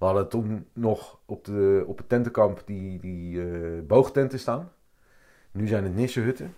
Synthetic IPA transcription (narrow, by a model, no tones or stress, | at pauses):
ʋəɑdəətɔnnɔxɔp̚dəɔpətɛntəkɑmpdidibowχtɛntəstaːn | nyzɛjnətnɪsəɦøtə